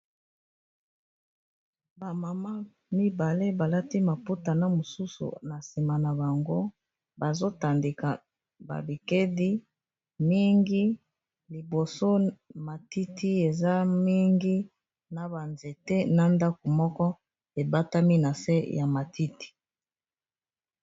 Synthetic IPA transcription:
ba˨ma˨ma˦ | mi˦ba˨le˦ba˨la˦ti˦ma˨pu˦ta˨na˦mo˨su˦sṵ˨na˨si˨ma˨na˨ba˨ŋɡo˦ | ba˨zo˦ta˨nde˨ka˨ | ba̰˨bi˨ke˦di˦ | mi˦ŋɡi˦ | li˨bo˨so˦ma˨ti˦ti˦e˨za˦mi˦ŋɡi˦ | na˨ba˨nze˨te˦na˦nda˦ko˨mɔ˦kɔ˦ | e˨ba˦ta˦mi˦na˨se˦jʔa˨ma˨ti˦ti̥˨

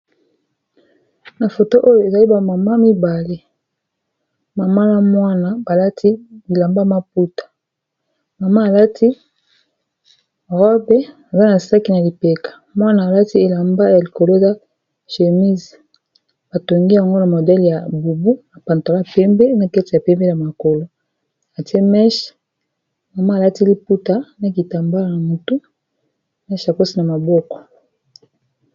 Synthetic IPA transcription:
na˨fo˨to˦ʔo˦jo˨e˨za˨li˦ba˨ma˨ma˦mi˦ba˨le˦ | ma˨ma˦na˨mwa˦na˨ba˨la˦tʰi˦li˨la˨mba˦ma˦p̚u˦tḁ˨ | ma˨ma˦˨la˦ti˦ | ʁɔ˦bɛ˦ | a˨za˦na˨sa˦ki˦na˨li˨pe˨kḁ˨mwa˦naː˨la˦ti˦e˨la˨mba˦ja˨li˨ko˨lo˦e˨za˦ | ʃe˨mi˦z | b̥a˨to˨ŋɡi˦ja˨ŋɡo˦na˨mo˨dɛ˦lja˨bu˨bu˦na˨pa˨nta˨la˦˨pɛ˦mbe˦na˦˨kɛ˦ti˦˨ja˨pɛ˦mbe˦ja˨ma˨ko˨lo˦ | a˨ti˦e˦mɛ˦ʃ | ma˨ma˦˨la˦ti˦li˦pu˦ta˦na˦ki˨ta˨mba˦la˦˨na˨mo˨tu˦ | mɛ˦ʃa˨ko˦si˦na˨ma˨bɔ˦kɔ̥˨

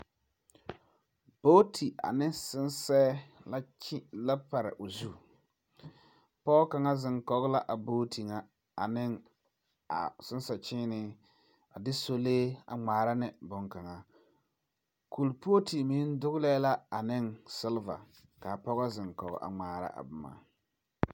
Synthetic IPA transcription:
b̥o˦tʰi˨a̰˨nɪ˦sɪ˦nsɛː˦la˦t͡ʃla˦pa˨ɾɪ̰˨ʔo˨zu˦˨ | pɔ˦ka˨ŋa˦zɪ˨ŋkɔ˦ɣʊ˦la˦ʔa˨boː˦tʰi˨ŋa˨ | a˨nɪ˦ŋ | a̰˨sɪ˦n˦sɛ˨t͡ʃɪ˦nɪ˦ | a˨dɪ˦so˦leː˦a̰˨ŋ͡maː˨ɾa˦nɪ˨bʊ˦ŋka˨ŋa˨ | ku˨lpo˦ti˨mi˦n˦dʊ˦ɣlɛː˦la˦a˨nɪ˦ŋsɪ˦lva̰˨ | ka˨pɔ˦ɣa˦zɪ˨ŋkɔ̰˨ɣɔ̰˨ʔa̰˨ŋ͡maː˨ɾa̰˦ʔa̰˨bʊ˨ma̰ː˨

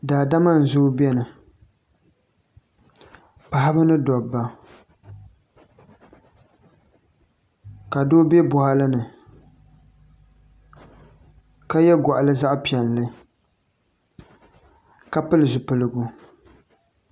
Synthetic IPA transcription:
daː˨da˦ma˦n̩˨zʊ˦bɛ˦nɨ˨ | pa˨ha˦bɨ˦nɨ˦dɔ˨bːa˨ | ka˨do˦bɛ˦bʊ˨ha˦lɨ˦nɨ˨ | ka˦jɛ˦ɡɔ˨ʔa˨lɨ˦za˦ʔpi˨ɛ˨n˨lɨ˦ | ka˦pɨ˦lɨ˨zʊ˨pɨ˨lɨ˨ɡʊ˦

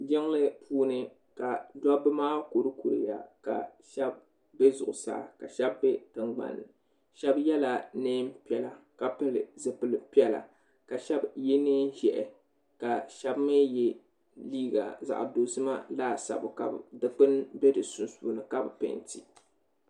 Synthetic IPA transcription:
d͡ʒɪ˦ŋlɨ˦pʰuː˦nɨ˦ | ka˨dɔ˦bɨ˦maː˦ko˨ɾɨ˦ku˨ɾɨ̰˨ja̰˨ka̰˨ʃɛ˦b̚ː | ɛ˦zʊ˨ʔʊ˨sa̰ː˦ka˨ʃɛ˦bːɛ˦tɨ˦ŋɡ͡ba̰˨nːɨ˨ | ʃɛ˦bjɛ˦la˨neː˦mpi˦ɛ˨la˨ | ka˨pɨ˦lɨ̰˨zɨ˨pɨ˨lɨ˨pi˦ɛ˦la̰˨ | ka˨ʃɛ˦bjɛ˦neː˦n˦ʒɛ˨ʔɛ̰˨ | ka˨ʃɛ˦bmɨ˦jɛ˦ | liː˦ɡa̰˨za̰˨ʔdo˨zɨ˦ma̰˦laː˦˨sa̰˨bʊ˨ka̰˨bdɨ˦k͡pɨ˦nbe˦dɨ˨su˨n˦suː˨nɨ˨ka˦bɨ˨pḛ˨ntḭ˨

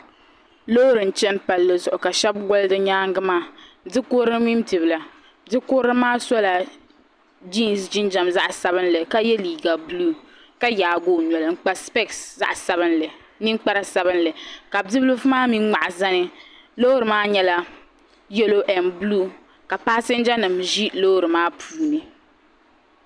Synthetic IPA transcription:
lo˦ɾɨ˨n̩˨t͡ʃɛ˦npa˨lːɨ˨zʊ˨ʔʊ˨ka˨ʃɛ˦b̚ɡɔ˦ldɨ˦ɲaː˦ŋɡɨ˦maː˦˨˦ | dɪ˦koː˦ɾɨ˦mi˦m˦tɨ˨bɨ˨la˨ | dɪ˦koː˦ɾɨ˦maː˦sɔ˦la˨ | d͡ʒi˦˨nsd͡ʒi˦nd͡ʒa˨mza˦ʔsa˦bɨ˦nlɨ˨ka˦jɛ˦liː˨ɡa˨bluː˦ | ka˦jaː˨ɡoː˦˨ɲɔ˨lɨ˨ŋ͡m̩˨k͡pa˦spɛ˦˨ksza̰˦ʔsa˦βɨ˦nlɨ˨ | nɨ˦k͡pa˦ɾa˨sa˦bɨ˦nlɨ˨ka˨dɨ˦blu˦fmaː˦mi˦ŋa˨ʔa˨za˦nɨ˦ | lo˦ɾɨ˨maː˦ɲɛ˦la˦ | jɛ˦lo˦ʔɛ˨nblu˦ | ka˨pa˦sɪ˦n˦d͡ʒa˦nɨ˨mʒi˦lo˦ɾɨ˨maː˦pʰuː˨˦nɨ˨

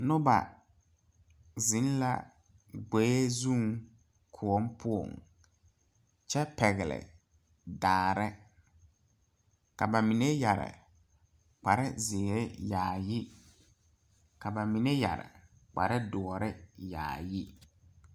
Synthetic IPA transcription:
nʊ˦ba̰˨ | zɪ˨˦n˦la̰˨ | ɡ͡beː˨˦zũ˦˨˦ŋ | kʰʊ˨ɔ˦mpʰʊ˦o̰˨ŋ | t͡ʃɛ˦pɛ˨ɣɪ˨lɪ̰˨ | daː˨ɾɪ˦ | ka˨ba˨mi˨ne˦ja˨ɾɪ̰˨ | k͡pa˨ɾɪ˦zɪ˨ɾe˦jaː˨jɪ˦ | ka˨ba˨mi˨ne˦ja̰˨ɾɪ̰˨ | k͡pa̰˨ɾɪ˦dɔ˨ɔ˨ɾɪ˦ja̰ː˨jɪ˦

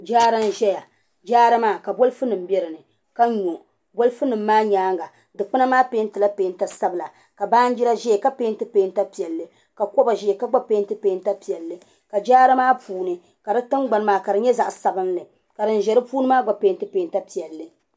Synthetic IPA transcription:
d͡ʒaː˦ɾa˦n˦ʒɛ˦ja˨ | d͡ʒaː˦ɾa˦maː˦˨ka˨bo˦lfu˦nɨ˨m̩˦bɛ˦ɾɨ˨nɨ˨ | ka˦ɲo˨ | bo˦lfɨ˦nɨ˨mː˦aː˦ɲaː˦ŋɡa˨ | dɨ˨k͡pɨ˦na˦maː˦peː˦n˦tɨ˨la˦peː˨˦n˦ta˦sa˦bɨ˨la˨ | ka˨baː˦n̩˦d͡ʒi˦ɾa˦ʒɛ˦˨ka˦pe˦ntɨ˦peː˦n˦ta˦pi˨ɛ˨lːɨ˨ | ka˨ko˦ba˨ʒɛ˦˨ka˦ɡ͡ba˦pe˦ntɨ˦peː˦n˦ta˦pi˨ɛ˨lːɨ˨ | ka˨d͡ʒaː˦ɾa˦maː˦pʰuː˨˦nɨ˨ | ka˨dɨ˦tɨ˦ŋɡ͡ba˨n˦maː˨ka˨dɨ˨ɲɛ˦za˨ʔsa˨bɨ˦nlɨ˨ | ka˨dɨ˨n̩˨ʒɛ˨ɾɨ˦puː˦nɨ˦maː˦ɡ͡ba˨peː˦n˦tɨ˦peː˦nta˦pi˨ɛ˨lːɨ˨

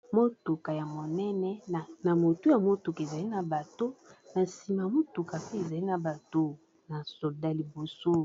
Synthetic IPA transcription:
mo˦tu˨ka˨ja˨mo˨nɛ˦nɛ˦˨na˨mo˨tu˦ja˨mo˦tu˨ka˨e˨za˨li˦na˨ba˨to˦na˨si˨ma˨mo˦tu˨ka˨pe˦e˨za˨li˦na˨ba˨to˦ | na˨so˨da˦li˨bo˨so˦

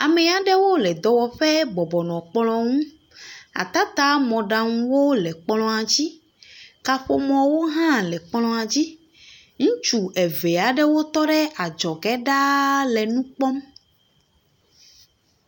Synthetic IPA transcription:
a˨mɛ˦a˨ɖɛ˦wo˦lɛ˨d̪ɔ˨wɔ˨ɸɛ˦bɔ˨bɔ˨nɔ̃˨k͡plɔ̃˦ŋũ˦ | a̰˨t̪a˦t̪a˦mɔ̃˨ɖa˨ŋũ˦wo˦lɛ˨k͡plɔ̃˦a˨d͡ʑi˦ | ka˨ɸo˨mɔ̃˨wo˦ɦã˦lɛ˨k͡plɔ̃˦a˨d͡ʑi˦ | ŋũ˦t͡ʃu˨ʔɛ˨ve˨a˨ɖɛ˦wo˦t̪ɔ˦ɖɛ˦ʔa˨d͡ʒɔ˨ɡɛ˦ɖa˦lɛ˨nũ˦k͡pɔ˦m

